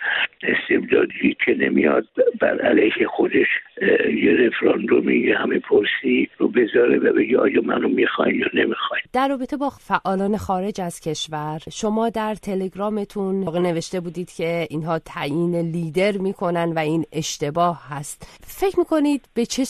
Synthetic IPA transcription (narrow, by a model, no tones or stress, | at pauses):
est̪ebd̪ɒ̰ːd̪iikʰenemijɒd̪̚bæ̰ɾæ̰lejhexo̞d̪eʃjeɾefɾɒnd̪omḭjehæmepʰoɾsiɾobezɒːɾevæbeɟeɒ̰ːjɒmænomixɒjmjɒnemixɒjd̪̥æɾːɒːbe̞t̪ʰe̞bɒːfæʔɒːlɒːne̞xɒːɾe̞d͡ʒæz̥cʰe̞ʃvæɾʃo̞mɒːd̪æɾt̪ʰe̞le̞ɡɾɒːme̞t̪ʰunɣene̞ve̞ʃt̪e̞buːd̪iːd̪̥cʰe̞inɦɒːt̪ʰæjiːneliːd̪e̞ɾmiːkʰo̞nænvæiːne̞ʃt̪e̞bɒːhhæst̪fe̞cʰmiːkʰo̞nid̪bet͡ʃʰe